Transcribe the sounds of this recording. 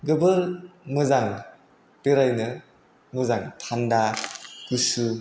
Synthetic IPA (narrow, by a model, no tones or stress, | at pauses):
ɡɯbɯɾmɯzaŋ | b̥eɾajnɯ | mɯzaŋtʰandaɡ̥usu